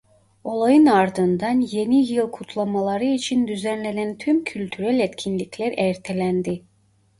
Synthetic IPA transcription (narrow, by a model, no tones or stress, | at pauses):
o̞lˠajɯnaɾd̪ɯnd̪ɑnje̞nijɯlˠkʰut̪ʰlˠamalˠaɾɯit͡ʃʰind̪yzænlʲe̞nænt̪ʰymcʰylʲt̪ʰyɾælʲet̪cʲʰinlʲicʰlʲæɾɛɾt̪ʰe̞lʲænd̪i